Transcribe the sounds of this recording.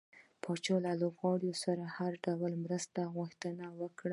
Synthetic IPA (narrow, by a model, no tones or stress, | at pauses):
pʰɑt͡ʃɑlalobɣɑɽijosaɾahaɾɖawəlmɾəst̪aɣʊxt̪ənawəkɽa